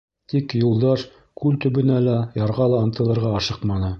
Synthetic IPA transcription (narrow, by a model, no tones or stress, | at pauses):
t̪ikjulˠd̪ɑʃ | kʉlt̪ɵ̆βɘ̆nælæjɑɾʁɑlˠɑɤ̆nt̪ɤ̆lˠɤ̆ɾʁɑɑʃɤqmɑnɤ